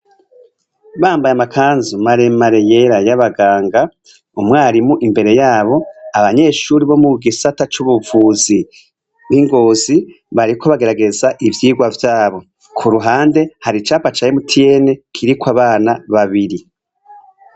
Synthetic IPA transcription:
βaːmbajamakaːnzumaɾe̞maɾeje̞ɾajaβaɡaːŋɡa | umŋaːɾimuʔimbe̞ɾe̞jaːβo̞aβaɲe̞ːʃuːɾiβo̞muɡisatat͡ʃuβuvuːzi | βiŋɡo̞ːzi | βaɾiko̞βaɡe̞ɾaɡe̞zaʔivjiːɡwavjaːβo̞ | kʰuɾuɦaːnde̞haɾit͡ʃaːpat͡ʃajemutʰije̞ne̞kʰiɾikwaβaːnaβaβiɾi

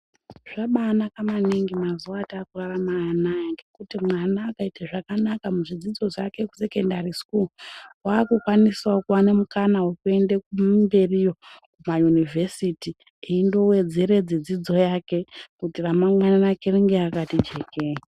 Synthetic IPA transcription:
ʐ̥aɓanakamaneŋɡimazuwataːkuraramaanajaŋɡe̞kutimwanaːkaiteʐakanakamuʐid͡zid͡zo̞ʐake̞ku̥se̞ke̞ndariskuluwaːkukwaniswakuwanemukanawekue̞ndekumbe̞rijo̞kumajunivʱe̞siti | iindo̞we̞d͡ze̞ɾe̞d͡zed͡zid͡zo̞jake̞kutiramaŋwananakeriŋɡeakatid͡ʒe̞ke̞i

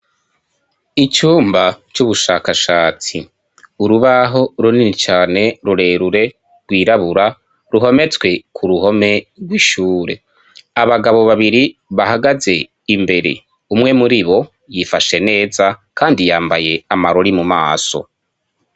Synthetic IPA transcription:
it͡ʃuːmbat͡ʃuβuʃakaʃaːt͡si | uɾuβaɦo̞ɾuninit͡ʃaːne̞ɾuɾe̞ːɾuɾe̞ | ɾɡwiːɾaβuɾa | ɾuɦo̞me̞t͡swe̞kʰuɾuho̞me̞ɡwiʃuːɾe̞̰ | aβaɡaβo̞βaβiɾiβaɦaɡaze̞ | imbe̞ɾe̞̰ | umŋe̞muɾiβo̞ | jifaʃe̞ne̞ːzakaːndijaːmbaje̞amaɾoɾimumaːso̞̰

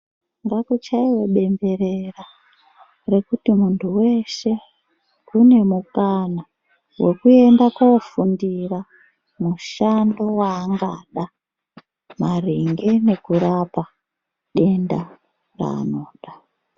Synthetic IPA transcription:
ŋɡakut͡ʃaiwe̞ɓe̞mbe̞ɾera | re̞kutimuntʰuwe̞ʃe̞ | kune̞mukana | wʔe̞kue̞ndakofundira | muʃando̞waːŋɡaɗa | mariŋɡe̞ne̞kuɾapa | ɗe̞nda | ra̰ːno̞ːɗa

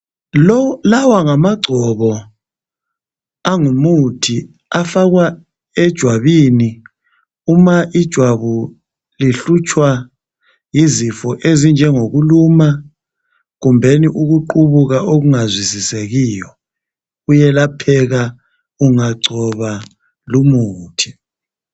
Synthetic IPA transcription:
lawaŋamaɡ͡ǀʱɔβɔ | aŋumutʰi | afaɣwa | ɛd̥ʒ̥ʱwaβini | umaʔid̥ʒ̥ʱwaβu | liɬut͡ʃʰʼwa | jizifɔʔezind͡ʒʱɛŋoɣuluma | ɣumbʱeniʔuɣuǃuβuɣaʔoɣuŋazwisiseɣijɔ | ujɛlapʰɛɣa | uŋaǀʱɔβa | lumuːtʰi̥

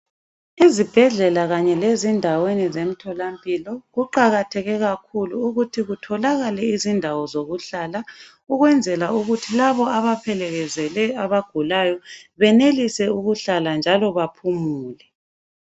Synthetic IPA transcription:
izib̥ʱɛɮɛlaɣaɲɛlezindʱawenizem̩tʰɔlampʼilɔɣuǃaɣatʰɛɣɛɣakʰuluːɣutʰiɣutʰɔlaɣalɛizindʱawɔzoɣuɬala | uɣwɛnd͡zʱɛlauɣutʰilaβɔaβapʰɛlɛɣɛzɛlɛaβaɡ̥ʱulajɔβɛnelisɛuɣuɬaland͡ʒʱalɔβapʰumuːlɛ

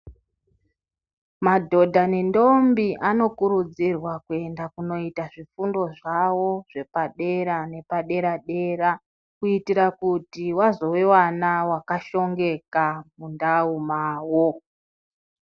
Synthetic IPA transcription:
madʱo̞dʱane̞ndo̞mbiʔano̞kuɾud͡zirwakue̞ndakuno̞itaʐifundo̞ʐawo̞ʐ̥e̞paɗe̞ɾane̞paɗe̞ɾaɗe̞ɾa | kuitiɾakutiwazo̞wewanawakaʃo̞ŋɡe̞kamundaumaːwo̞

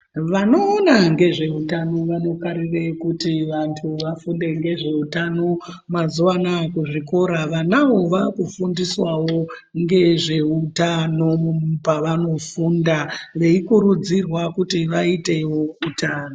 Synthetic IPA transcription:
ʋano̞ːnaŋɡe̞ʐe̞utano̞ʋano̞kaɾirekutiʋantʰuʋafunde̞ŋɡe̞ʐe̞utano̞ | mazuwanakuʐiko̞ɾaʋanawo̞ʋakufundiswawo̞ | ŋɡe̞ʐe̞utano̞mupaʋano̞fundaʋeikuɾud͡zirwakutiʋaite̞wo̞utaːno

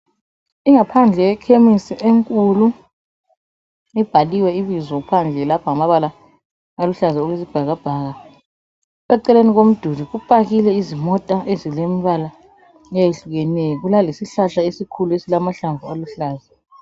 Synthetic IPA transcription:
iŋapʰand͡ɮʱɛjɛkʰemisiʔeŋkʼulu | ib̥ʱaliwɛiβizwɔpʰand͡ɮʱɛlapʰaŋamaβala | aluɬazɛoɣezib̥ʱaɣab̥ʱaɣa | ɛǀɛleniɣom̩d̥ʱuliɣupʼaɣilɛizimɔtʼaʔezilemiβala | ŋajeɬuɣɛnɛjɔɣulalesiɬaɬaesikʰuluesilamaɬaɱvualuɬaːzɛ

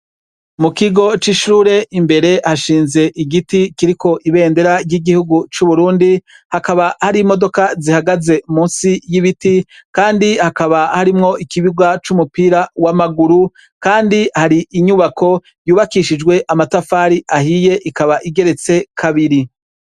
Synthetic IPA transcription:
mukiɡo̞t͡ʃiʃuːɾe̞ʔimbe̞ɾe̞haʃiːnze̞ʔiɡitikiɾiko̞ʔiβe̞ːnde̞ɾaɾjɟiɡihuɡut͡ʃuβuɾuːndi | hakaβahaɾimo̞do̞kazihaɡaze̞muːnsijiβitikaːndihakaβahaɾimŋo̞ʔikiβiɡwat͡ʃumupiːɾawamaɡuɾu | kaːndihaɾiʔiɲuβako̞ | juːβakiʃid͡ʒɡwe̞ʔamatafaːɾiʔahije̞ʔikaβaʔiɡe̞ɾe̞t͡se̞kʰaβiɾi

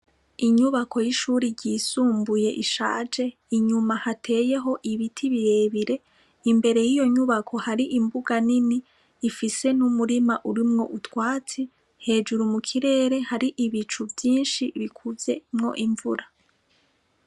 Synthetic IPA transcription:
iɲuβako̞jiʃuːɾiɾɟiːsuːmbuje̞ʔiʃa̰ːd͡ʒe̞ | iɲumahatʰe̞ːje̞ɦo̞ʔiβitʰiβiɾe̞ːβiɾe̞ | imbe̞ɾe̞jijo̞ɲuβakʰo̞haɾiʔimbuɡaniniː | fise̞numuɾimaʔuɾimŋo̞ʔutwaːt͡si | he̞ːd͡ʒuɾumukʰiɾe̞ːɾe̞haɾiʔiβit͡ʃuvjiːnʃiβikʰuvje̞mŋo̞̰ʔiɱvuɾa

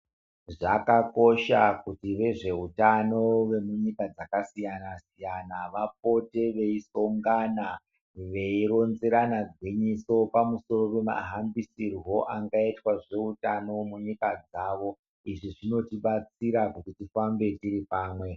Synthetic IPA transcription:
ʐakako̞ʃakutiʋe̞ʐe̞utano̞ʋe̞muɲikad͡zakasijanasijanaʋap̚o̞te̞ʋe̞iso̞ŋɡana | ʋe̞iɾo̞nzeɾanaɡʱwiɲiso̞pamuso̞ɾo̞pe̞ma̰ɦambisirwo̞ʔaŋɡaitwaʐe̞utano̞muɲikad͡zaːʋo̞ | iʐiʐino̞tiɓat͡siɾakutitifambe̞tiɾipaːmwe̞

